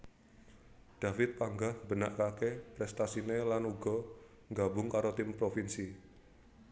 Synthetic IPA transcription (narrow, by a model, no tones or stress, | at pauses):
d̥afɪt̪̚paŋɡahb̥ənaʔkakepɾɛst̪asinelanuɡɔ̤ | ŋɡabʊŋkaɾot̪ɪmpɾofinsi